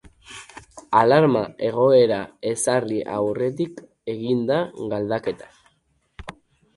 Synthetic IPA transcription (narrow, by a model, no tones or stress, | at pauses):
alaɾmae̞ɣ̞o̞e̞ɾae̞sariʔawre̞t̪̬ik | e̞ɣind̪aɣald̪ake̞t̪ḁ